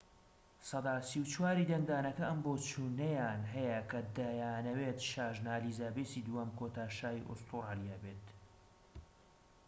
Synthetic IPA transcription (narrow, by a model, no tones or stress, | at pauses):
sɑd̪aːsiwt͡ʃʰwaːɾiːd̪ɐŋɡ̚d̪aːnɐkɐʔɐmboːt͡ʃʰuːnɐjaːnɦɐjɐkʰɐd̪ajaːnɐweːt̪ʃaːʒnaːliːzaːbesid̪uɐmkoːt̪aːʃaːjiʔo̰st̪ʰuɾaːlijabeːt̪